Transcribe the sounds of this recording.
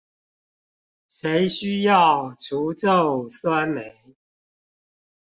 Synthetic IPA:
ʂe˨˦ɪɕy˥˦jɑ˥˨ʊʈ͡ʂʰu˨˦ʈ͡ʂo˥˨ʊswa˦nme˨˦ɪ

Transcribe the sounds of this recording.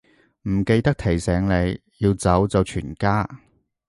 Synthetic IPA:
m̩˨˩ke˧jt̪ɐ˥k̚t̪ʰe˨˩jsɛː˨˥ŋle˨˧j | jiː˧wt͡sɐ˨˥wt͡sɐ˨˧wt͡ʃʰyː˨˩nkaː˥

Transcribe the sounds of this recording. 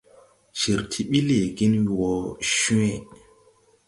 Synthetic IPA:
ʒ̥i˨ɾtʰi˦ɓi˦le˨ɡi˦n˨wɔ˨ʃu˦ẽ˦

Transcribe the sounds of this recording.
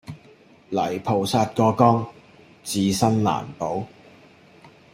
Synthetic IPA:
lɐ˨˩jpʰo˨˩wsaː˧t̚kɔː˧kɔː˥ŋ | t͡siː˨˧sɐ˥nla̰ː˨˩npo˨˥w

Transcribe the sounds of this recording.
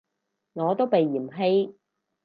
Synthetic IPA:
ŋɔː˨˧t̪o˥wpe˨jːiː˨˩mɦe˥j

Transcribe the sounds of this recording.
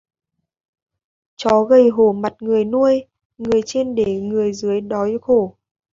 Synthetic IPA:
t͡ɕɔ˨˦ɣə˧˩jɦo˧˩ma˨˩t̚ŋɨ˨˩əjnu˧əj | ŋɨ˨˩əjt͡ɕe˧nɗe˧˩ŋɨ˨˩əjzɨ˨˦əjɗɔ˨˦jxo˧˩

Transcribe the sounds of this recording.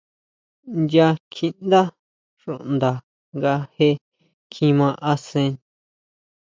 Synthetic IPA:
nd̪ʲja˧kʰĩ˧nd̪a˦ | ʂṵ˨ʔnd̪a˨ | ŋɡa˧he˦ | kʰĩ˧mã˧ʔa˧sẽ˧

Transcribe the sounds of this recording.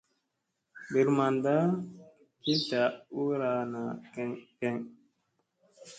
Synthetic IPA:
bi˨ɾma˨nda˦ | ki˦ta˨u˦ɾa˨na˨kɛ˦ŋkɛ˦ŋ

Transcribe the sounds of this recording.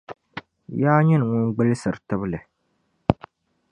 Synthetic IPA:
jaː˦ɲɛ˦nɨ˨ŋɔ˦ɡ͡bɨ˦lɨ˦sɨ˨ɾtɨ˦βɨ˦lɨ˨

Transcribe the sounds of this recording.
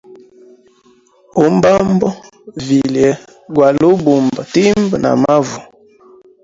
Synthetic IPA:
o˨m˦ba˦mbɔ˦ | vi˨ljɛ˨˦ | ɡwa˨lo˦bu˨mba˨ti˦mbə˨na̰˨ma˦vu˨

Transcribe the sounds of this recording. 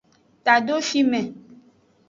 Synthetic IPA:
t̪a˨ɖo˦fi˦mɛ̃˨

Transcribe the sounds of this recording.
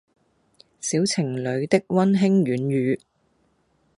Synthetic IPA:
siː˨˥wt͡sʰɪ˨˩ŋlɵ˨˧ɥt̪ɪ˥k̚wɐ˥nɦɪ˥ŋɥyː˨˥njyː˨˧

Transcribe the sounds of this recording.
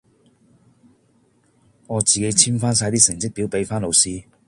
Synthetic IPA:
ɔ˧t͡ɕi˨˩ke˧jt͡ɕʰi˦˥nfã˥˦s̬a˧jt̪i˥sə˨˩ŋt͡ɕi˥pi˧˦pe˧jfã˥˦lo˨˧˩wsi˧

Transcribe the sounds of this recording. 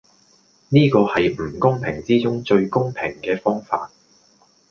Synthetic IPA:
niː˥kɔː˧hɐ˨jm̩˨˩kʊ˥ŋpʰɪ˨˩ŋt͡siː˥t͡sʊ˥ŋt͡ʃɵ˧ɥkʊ˥ŋpʰɪ˨˩ŋkɛː˧fɔː˥ŋfa̰ː˧t̚

